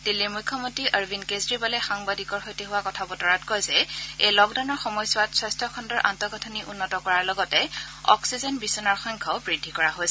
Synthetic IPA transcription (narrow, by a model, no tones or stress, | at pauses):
d̥ilːimujkʰːɔmontɹiʔəɹbʱinkezɹibɔlɛxaŋbadikɔɹxojtiɦʊwakɔtʰabɔtɔɹatkɔjzɛejlɔkdawnɔɹxɔmɔjsʊatswɔstʰɔkʰɔndɔɹʔantɔɡɔtʰɔniʔunːɔtɔkɔɹaɹlɔɡɔtɛɔ̰ksizɔnbisɔnaɹxɔŋkʰaʊbɹidʱːikɔɹaɦojsɛ